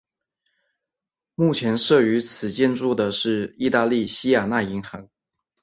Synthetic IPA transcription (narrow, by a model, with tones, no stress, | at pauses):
mu˥˩t͡ɕʰjɛ˧˥nʂɤ˥˩y˧˥t͡sʰɹ̩˨˩t͡ɕjɛ˥˧nʈ͡ʂu˥˩d̪ə˩ʂɻ̩˥˩i˥˧t̪a˥˧li˥˩ɕi˥ja˨˩na˥˩i˧˥ŋxɑ˧˥ŋ